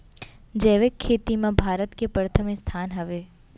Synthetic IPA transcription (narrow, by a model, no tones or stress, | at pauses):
d͡ʒeːʋekʰːeːt̪imãbʱaːɾət̪kepɾət̪ʰəmist̪ʰanɦəʋe